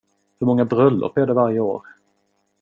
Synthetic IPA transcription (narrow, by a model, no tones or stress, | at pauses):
hɵɾmɔŋːabɾœlːʊ̰pæɖɛvaɾjəoːɾ